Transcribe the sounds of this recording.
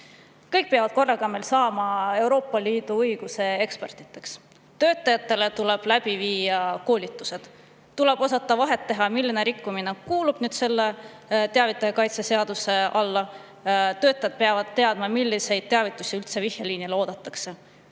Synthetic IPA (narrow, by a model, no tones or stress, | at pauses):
kɤjk̚peɑvɑd̪̥ko̞rːɑɡ̥ɑme̞jlsɑːmɑe̞wɾo̞ːpːˑɑliːd̪̥uɤjɡ̥use̞e̞kspert̪ˑi̥t̪ːˑe̞ks | t̪ø̞ːt̪ːˑɑjɑt̪ːˑe̞le̞t̪ule̞b̥læb̥iviːɑko̞ːlit̪ːˑu̥se̞d̪̥ | t̪ule̞b̥o̞sɑt̪ːˑɑvɑɦe̞t̪ːe̞ɦɑmilːine̞ɾikːumine̞kuːlub̥nyːd̪̥se̞lːe̞ | t̪e̞ɑvit̪ːˑɑjɑkɑjt̪sese̞ɑd̪̥use̞ʔɑlːɑ | t̪ø̞ːt̪ːˑɑjɑd̪̥̚pe̞ɑvɑd̪̥t̪ːe̞ɑd̪̥mɑmilːise̞jd̪̥̚t̪eɑvit̪ːˑusʲiylt̪se̞vihjeliːnileo̞ːd̪̥ɑt̪ːˑɑkse̞